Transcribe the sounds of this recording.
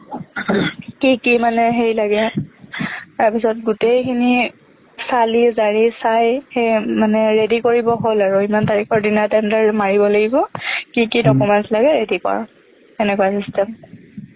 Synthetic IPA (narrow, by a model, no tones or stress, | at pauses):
kikimanɛɦejlaɡɛ | taɹpisɔt̚ɡutejkʰini | salizaɹisajxejmanɛɹedikoɹibɔɦolaɹʊimantaɹixɔɹdinatɛndaɹmaɹibɔlaɡibɔkikidɔkumɛntlaɡɛɹedikɔ̰ɹ | ɛnɛkuasistɛm